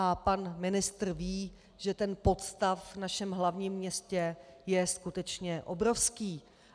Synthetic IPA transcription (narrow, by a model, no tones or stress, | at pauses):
apanmɪnɪst̪r̩viː | ʒɛt̪ɛnpo̞t̪st̪afvnaʃɛmɦlavɲiːmːɲɛscɛjɛskut̪ɛt͡ʃɲɛʔo̞bɾo̞fskiː